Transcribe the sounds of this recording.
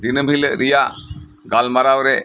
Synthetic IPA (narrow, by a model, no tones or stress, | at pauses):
d̪inəmʱiləʔɾijaʔ | ɡalmaɾawɾɛ